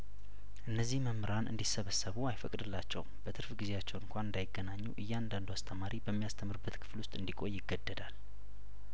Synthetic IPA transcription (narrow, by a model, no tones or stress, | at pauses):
ʔɨnːəzːihməmɾanʔɨ̰nd̪isəβəsːəβuajfəkʼd̪ɨlːat͡ʃːɛ̰wb̥ət̪ʰɨɾfɡize̞jat͡ʃːɛwɨŋkʷanɨnd̪ajɪɡːənaɲːṵʔɨjːand̪and̪uast̪ʰəmaɾʔibəmːijast̪ʰəmːɨɾɨbːət̪kʰɨ̥flʊst̪ʼɨnd̪ikʼo̞jːɪɡːəd̪ːəd̪al